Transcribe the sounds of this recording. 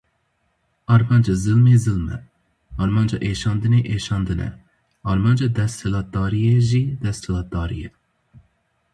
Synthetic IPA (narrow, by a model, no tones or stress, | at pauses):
ɑːɾmɑːnd͡ʒɑzɨlmeːzɨlmɛ̰ | ɑːɾmɑːnd͡ʒɑ̰ːʔeːʃɑːnd̪ɨneːʔeːʃɑːnd̪ɨnɛ̰ | ɑːɾmɑːnd͡ʒɑːd̪ɛst̪hɨlɑːt̪̚d̪ɑːɾijeːʒiːd̪ɛst̪ʰɨlɑːd̪ɑːɾije